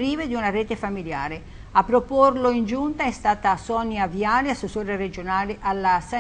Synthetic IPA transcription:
ɾiːved̪iunareːt̪efamilja̰ːɾe | apːɾoporloind͡ʒunt̪aɛst̪aːt̪asɔnjaviaːleasːesoːɾered͡ʒonaːleʔalːasa

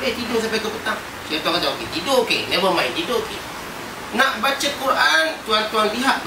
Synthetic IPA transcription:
et̪idoʔs̬apak̪opət̪aŋ | sat̪okadakididokeleməmaɪndidoʔkḛ | naʔbat͡ʃəkːuɾʔant̪uant̪uanpiɦaʔb

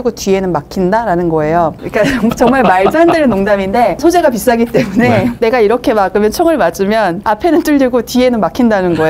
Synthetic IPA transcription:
ɡotie̞nɯnmakʰindaɾanɯnɡʌe̞joik͈at͡ɕʌŋmaɭmaɭd͡ʑɯɦandenɯnːoŋdaminde̞sʰod͡ʑe̞ɡapis͈ɦaɡit͈e̞mune̞ne̞ɡaiɾʌkʰe̞maɡɯmjʌnt͡ɕʰoŋɯɭmad͡ʑ͈ɯmjʌnapʰe̞nɯnt͈uɭdiɡotie̞nɯnmakʰindanɯnɡʌe

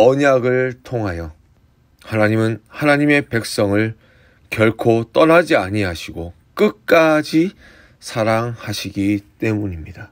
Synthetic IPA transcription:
ʌɲaɡɯɭtʰoŋɦajʌ | hanaɲimɯnhanaɲime̞pe̞k̚s͈ʌŋɯɭ | kjʌɭkʰot͈ʌɾad͡ʑiaɲiɦaɕʰiɡo | k͈ɯk͈ad͡ʑi | sʰaɾaŋhaɕʰiɡit͈we̞muɲimɲida

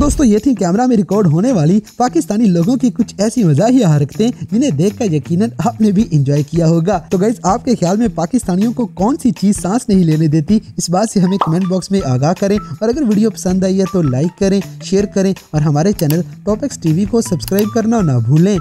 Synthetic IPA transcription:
d̪oːst̪õjeːt̪ʰĩkɛːmɾamẽɾɪkɔːɾɖɦoːneʋaːlipaːkɪst̪aːniloːɡõkikʊt͡ʃʰɛːsimɐzaɦiaɦɾɐkʰt̪eɦɛ̃d͡ʒɪnɦẽd̪eːkʰːkajɐkiːnənaːpnebʱiʔɪ̃nd͡ʒɔːikijaɦoːɡaːt̪oɡɐɪsaːp̚kexjaːlmẽpaːkɪst̪aːnijõkokɔːnsit͡ʃiːzsãːsnɐɦĩleːned̪eːt̪iɪsbaːd̪seɦɐmẽkɐmɛ̃ːɳʈ̚bɔːksmẽʔaːɡaːɦkɐɾẽɔːɾɐɡəɾʋiːɖijopɐ̥sə̃nd̪aːiet̪olaːɪkːɐɾẽʃeːɾkɐɾẽ | ɔːɾɦɐmaːɾet͡ʃɛːnəlʈɔːpɪksʈiːʋikosɐbskɾaːɪb̚kɐɾnaɔːɾnaːbʱuːlːẽː

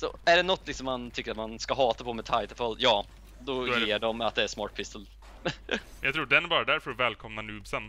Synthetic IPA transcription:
sɔ̰æɖɛnɔt̪ːlɪksɔmːant̪ʰʏkːəɾat̪manskaɦɑːt̪apʰɔmɛt̪ʰaɪt̪əfɔljɑː | d̪ɔjeːɖɔmat̪̚d̪ɛæsmɑːʈ̚pʰɪst̪əl | jɑɡt̪ʰɾuːɖɛnæɾbɑːɾad̪æɾfœɾɔvɛːlkʰɔmnanʉ̟ːbsən

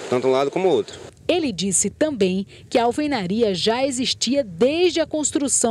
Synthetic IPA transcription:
t̪ɐ̃t̪ũlad̪ʊkõmʊowt̪ɾʊ | elɪd͡ʒisɪt̪ɐ̃mbẽj̃ | kɪɐawfejnaɾiɐʒaeziʃt͡ʃiɐd̪eʒd͡ʒɪɐkõst̪ɾusɐ̃

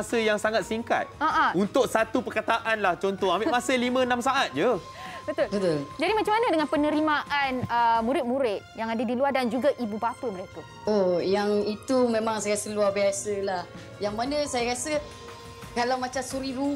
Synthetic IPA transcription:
səjaŋsaŋat̪̚siŋka̰t̪̚aʔaunt̪ʊk̚sat̪upərkat̪aʔanlaht͡ʃɔnt̪ɔhambɪʔmasəlimə̃nãmsaʔat̪̚d͡ʒə | bət̪ʊlbət̪ʊld͡ʒadimat͡ʃamanadəŋãnpənəɾimaʔanəmuɾɪt̪̚muɾɪt̪̚jaŋadadiluardand͡ʒuɡaʔibubapəməɾekə | ojaŋit̪umẽmaŋsajasəluarbiasəlah | jaŋmanə̃sajaɾasə | kalawmat͡ʃamsuɾiɾu

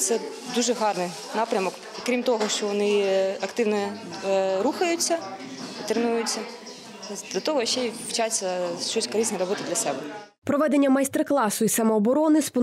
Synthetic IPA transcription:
t̪sɛ | d̪uʒɛɦɑrnɪ | nɑpɾʲɐmɔk | kɾʲimt̪ɔɦɔʃt͡ʃɔʋɔnɪɐkt̪ɪʋnɔ | ɾuxɐjʊt͡sʲːɐ | t̪ɾenujʊt͡sʲːɐ | d̥̪lʲɐt̪ɔɦɔʃt͡ʃːɛwt͡ʃasʲɐʃt͡ʃɔsʲkɔɾɛsnɛɾɐbɔt̪ɪd̪lʲɐsɛbɛ | pɾɔʋɛd̪e̞nʲːɐmɐjst̪erklˠɑsʊisɐmɔːbɔɾɔnɪspɔ

